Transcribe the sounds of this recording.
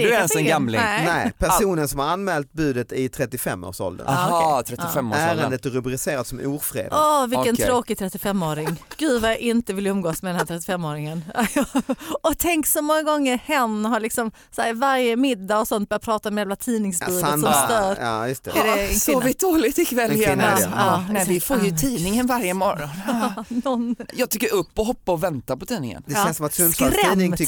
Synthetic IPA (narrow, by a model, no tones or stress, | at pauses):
nsɛɡamlɪɛnɛːpʰæʂuːnənsɔmhaɾanːmɛːlt̪̚bʉ̟ːd̪ət̪ɪt̪ʰɾɛt̪ːɪfɛ̰mːo̰ːɾʂɔ̰ld̪ə̰nt̪ʰɾɛt̪ːɪɪfɛmːæːɾənd̪ət̪ɾɵbɾɪseːɾad̪sɔmṵːɾfɾḛːd̪ɔvɪlkːənʰɾoːkɪt̪ʰɾɛt̪ːɪfɛmːoːɾɪŋɡ̥ʉ̟ːd̪vajaʔɪnt̪əvɪləɵmɡoːsmɛd̪ɛnhæt̪ʰɾɛt̪ːɪfɛmːoːɾɪŋən | ɔt̪ʰɛŋksɔmɔŋːaɡɔŋːəɾhɛnːɦaɭɪksɔm | sæːɾvaɾjəmɪd̪ːaɔsɔnt̪̚b̥œːɾjapʰɾɑːt̪aɔmjaːvlat̪ʰiːnɪŋsbʉːləsɔmst̪œːɾ̰st̪ɛd̪ɛɪsɔvɪd̪oːlɪt̪ɪkvɛljnaɑːɛvɪfoːɾjət̪ʰiːnɪŋənvaɾjəmɔɾɔnːɔnjɑːɡ̚t̪ʰʏkːəɾɵpːɔɦɔpːaɔvɛnt̪apɔt̪ʰiːnɪŋə̰nd̪ɛɛsɔmat̪ɾɛmɪ